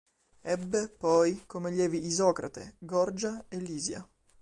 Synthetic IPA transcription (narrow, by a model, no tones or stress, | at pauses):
ɛbːepɔjkomeʎjɛːviːzɔːkɾa̰t̪ḛɡɔrd͡ʒaelːiːzja̰